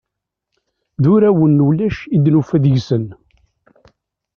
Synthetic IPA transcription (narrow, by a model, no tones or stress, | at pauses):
ðʊɾæwənːulæʃid̪nufæðʝsən